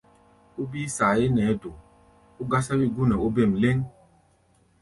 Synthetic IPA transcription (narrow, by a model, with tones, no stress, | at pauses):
u˦biː˦sa˨je˦nɛ˨˦do˨ | u˦ɡa˦sa˦bi˦ɡu˦nɛ˨o˦be˦˨m̩˨le˦ŋ